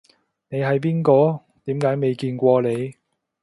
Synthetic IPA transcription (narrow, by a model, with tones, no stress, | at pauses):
ne˨˧jɦɐ˨jp̬iː˥nkɔː˧ | t̪iː˨˥mkaː˨˥jme˨˧jkiː˧nkʷɔː˧le˨˧j